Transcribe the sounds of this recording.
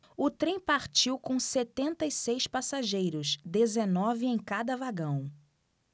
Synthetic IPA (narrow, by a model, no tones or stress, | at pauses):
ʊt̪ɾẽj̃paɾt͡ʃiwkõset̪ẽnt̪ɐisejspasaʒejɾʊzd̪ezenɔvɪẽj̃kad̪ɐvaɡɐ̃w̃